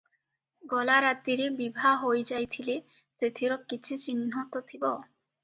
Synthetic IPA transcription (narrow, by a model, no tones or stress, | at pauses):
ɡɔlaɾat̪iɾebibʱaɦojd͡ʑajt̪ʰile | set̪ʰiɾɔkːit͡ɕʰit͡ɕininɦɔt̪ot̪ʰibɔ